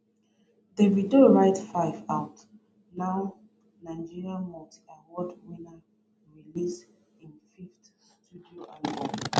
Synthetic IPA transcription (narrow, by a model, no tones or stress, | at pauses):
deɹidioɹaɪtfaɪvaʊt | naʊ | naɪd͡ʒiɹiãnmɔti̥ãnwɔdwina | ɹilis | ĩnfiftstudioʔalbɔ̃